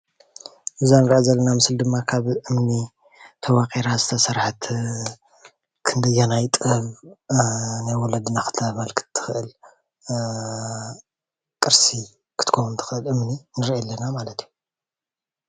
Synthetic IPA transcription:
ʔɨzanɨɾʕazɐlːɐnamɨsɨld̪ɨmːakʰaβʔɨmni | t̪ʰɐwakʼiɾazɨt̪ʰɐsɐɾħt̪ʰ | kʰɨnd̪ɐjanajt̪ʼɐβ | najwɔlɐd̪ɨnakʰɨ̥t̪ʰːβalkʰɨ̥t̪ʰːɨ̥xʔɨl | kʼɨɾsi | kʰɨ̥t̪ʰɨ̥kʰownt̪ʰɨ̥xɨʔɨlʔɨmninɨɾʔlːɐnamalɐt̪ʰiju

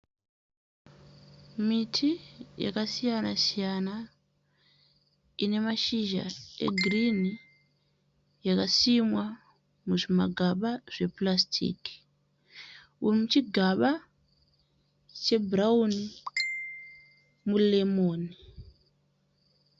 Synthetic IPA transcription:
mitʰija̰kasijanasijana | ine̞maʃiʒa̰e̞̰ɡʱrini | jakasimwa | muʐima̰ɡʱaɓaʐ̥e̞plastʰḭki̥ | umut͡ʃiɡʱaɓa | t͡ʃe̞bʱrauni | mulemoːni

